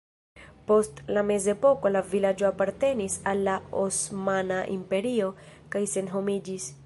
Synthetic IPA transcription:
po̞stlame̞ze̞po̞ko̞lavilad͡ʒo̞apaɾte̞nisalːaosmanaʔḭmpe̞ɾio̞ | kajse̞nɦo̞mid͡ʒis

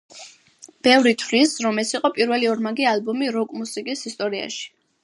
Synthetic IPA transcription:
b̥ɛvɾit̪ʰvlisɾɔmɛsiqʼɔpʼiɾvɛliɔɾmaɡialbɔmiɾɔkʼmusikʼisist̪ʼɔɾia̰ʃi̥

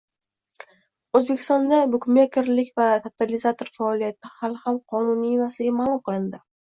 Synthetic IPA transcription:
ɵzbe̞kʲʰɪ̥st̪ɒnd̪abʊkʲmekʲɪɾlɪkʲvat̪ʰat̪ʰalɪzat̪ʰoɾfaɒlˠijat̪ʰɪhalˠhamqʰɒnʊniemaslɪɡʲamalˠʊmqɨlˠɪnd̪ɪ

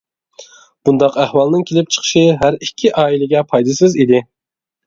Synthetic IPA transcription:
b̥und̪ɑqæhwɑlˠnɨŋkʲʰelɪp̚t͡ʃʰə̥χʰə̥ʃɪɦæɾikʲʰːiʔɑːilɪɡʲɛpʰɑjd̪ɨsɪzid̪ɪ

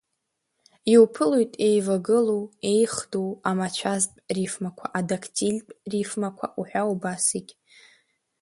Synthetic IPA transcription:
iwpʰɨlojtʼe̞jvaɡɨlowe̞jχdowamat͡ʃʷʰazpʼrifmakʷʰaʔadakʰtʰʼilʲpʼrifmakʷʰa̰ʔuħᶣawbasikʲʼ

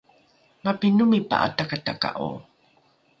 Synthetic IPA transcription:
mapinumipa̰ʔa̰takataka̰ʔo̰

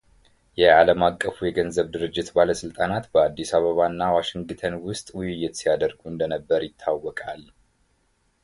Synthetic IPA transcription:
jɛaləmakʼːəfujɛɡənzəβd̪ɨɾɨd͡ʒːɪt̪baləsɨlt̪ʼanat̪bəad̪ːisaβəβanːawaʃɪŋɡɡt̪ʰənwʊst̪ʼwʊjɪjːɪt̪sijad̪əɾɡuɨnd̪ənəbːəɾjɪt̪ʰːawːɔkʼal

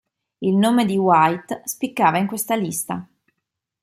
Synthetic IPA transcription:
ilnoːmed̪iwajt̪spikːaːvaiŋkwest̪alist̪a̰

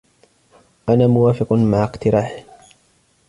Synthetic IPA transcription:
ʔanaːmʊwaːfɪqmaʕɪqt̪ɪɾaːħɪ

